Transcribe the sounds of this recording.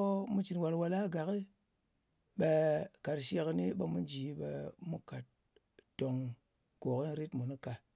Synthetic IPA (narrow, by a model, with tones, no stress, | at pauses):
mu˦t͡ʃi˨nwa˧lwa˧la˦ɡa˨ki˦ | ɓe˧ka˨ɾʃe˧kni˦ɓe˧mu˦n˦d͡ʒi˨˦ɓḛ˧mu˦ka˨t̚ | to˨ŋ | ko˨ki˦ɾi˦tmu˨nu˦ka˨